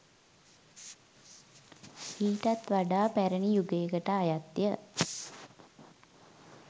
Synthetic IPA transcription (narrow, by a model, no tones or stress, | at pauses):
iːʈat̪ʋaɖaːpæɾənijuɡeːkəʈəajat̪jə